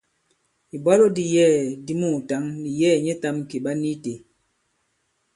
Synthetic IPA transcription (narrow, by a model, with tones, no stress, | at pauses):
i˨bɔ˦lo˦di˦jɛː˦˨di˦mu˦˨ta˨˦ŋni˨jɛː˦˨ɲe˦ta˦mki˨ɓa˦ni˦te˨